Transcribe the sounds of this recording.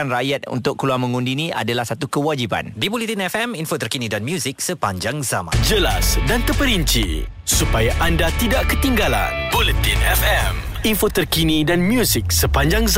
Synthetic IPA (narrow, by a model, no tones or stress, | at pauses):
anrajat̪̚ṵnt̪ʊkːəluaŋmə̃ŋundinĩa̰dalahsat̪ukəwad͡ʒiba̰ndibolit̪inɛfɛminfot̪ərkinidanmjuzik̚səpaɲd͡ʒaŋzamã̰d͡ʒəlasdant̪əpəɾiɲt͡ʃḭ | supajaʔandat̪idaʔkət̪iŋɡala̰nbolit̪inɛfɛm | infot̪ərkinidanmjuzik̚səpaɲd͡ʒaŋz